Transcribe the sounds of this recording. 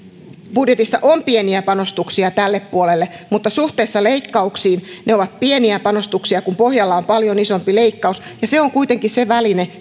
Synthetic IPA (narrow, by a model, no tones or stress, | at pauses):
b̥udjet̪isːɑ̰ʔompieniæpɑnost̪uksiɑt̪ælːeppuolelːemut̪ːɑsuht̪eːsːɑleikːɑuksiːnneoʋɑt̪̚pieniæpɑnost̪uksiɑkumpohjɑlːɑompɑljonisompileikːɑusjɑseoŋkuit̪eŋkisseʋæline